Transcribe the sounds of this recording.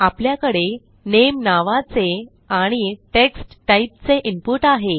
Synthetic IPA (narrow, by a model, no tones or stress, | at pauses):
apljakəɽe | nemnaʋat͡se | aɽ̃iʈeksʈːaip̚t͡seʔimpuʈaɦe